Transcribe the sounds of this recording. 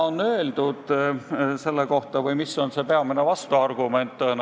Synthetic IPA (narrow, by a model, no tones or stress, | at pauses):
onːø̞ːld̪̥ud̪̥ | se̞lːeko̞ht̪ɑvɯjmisːo̞nse̞pe̞ɑmene̞vɑst̪uɑrɡ̥ume̞nt̪ːˑn